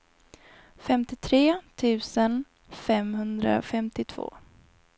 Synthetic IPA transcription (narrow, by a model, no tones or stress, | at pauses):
fɛmt̪ɪt̪ʰɾeːt̪ʰʉ̟ːsən | fɛmhɵnd̪ɾa̰fɛmt̪ɪt̪ʰv̥o̰ː